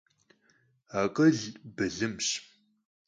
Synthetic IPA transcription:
aːqʼɐɮbɨɮɨmɕ

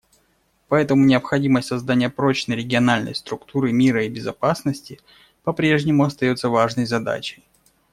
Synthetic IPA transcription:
pɐɛt̪əmʊnʲɪəpxɐdʲiməsʲtʲsɐzd̪anʲɪjəpɾo̞t͡ɕnəjɾʲɪɡʲɪɐnalʲnə̰jst̪ɾʊkt̪uɾɨmʲiɾəibʲɪzɐpasnəsʲtʲɪ | pɐpɾʲeʐnʲɪmʊɐst̪ɐjo̞t̪səvaʐnəjzɐd̪a̰t͡ɕɪj

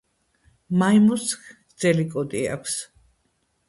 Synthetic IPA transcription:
majmuskʰ | d̪z̥ɛlikʼɔd̪ʼia̰kʷʰs

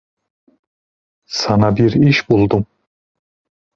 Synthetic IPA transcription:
sanɑbiɾiʃbulˠd̪um

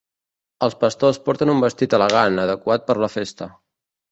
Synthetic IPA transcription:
əlˠspəst̪ospɔɾt̪ənumbəst̪it̪ələɣ̞anəðəkwat̪̚pəɾləfest̪ə

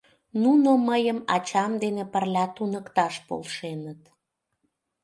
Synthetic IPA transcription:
nunoməjəmɑt͡ɕɑmd̪enepərlʲɑt̪unəkt̪ɑʃpo̰lʃenət̪

